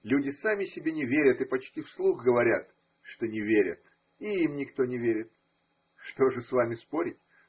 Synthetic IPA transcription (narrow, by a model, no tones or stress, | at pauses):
lʲudʲɪsamʲɪsʲɪbʲenʲɪvʲeɾʲət̪ɨpɐt͡ɕtʲifslˠuxɡəvɐɾʲa̰t̪ | ʂt̪onʲɪvʲeɾʲə̰t̪ | iimnʲɪkt̪onʲɪvʲeɾʲɪt̪̚ | ʂt̪o̞ʐɨsvamʲɪspoɾʲɪtʲ